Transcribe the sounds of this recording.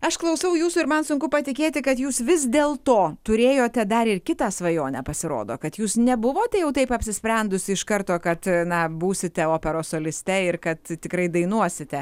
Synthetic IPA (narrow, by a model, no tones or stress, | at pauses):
ɐʃklˠɐʊsɐʊjuːsuɪɾmɐnsʊŋkʊpɐt̪ʲɪkʲeːt̪ʲɪkɐt̪juːsʋʲɪs̬d̪ʲeːlˠt̪oːt̪ʊɾʲeːjoːt̪ʲɛd̪ɐɾɪrkʲɪt̪ɑːsʋɐjoːnʲɛːpɐsʲɪɾo̰ːd̪o̰ːkɐt̪juːsnʲɛbʊʋoːt̪ʲɛjɛʊt̪ɐɪpɐpʲsʲɪsʲpʲɾʲɛnd̪ʊsʲɪɪʃkɐrt̪oːkɐt̪nɐbuːsʲɪt̪ʲɛoːpʲɛɾoːsoːlʲɪsʲt̪ʲɛɪɾkɐt̪t̪ʲɪkɾɐɪd̪ɐɪnuɔsʲɪt̪ʲɛ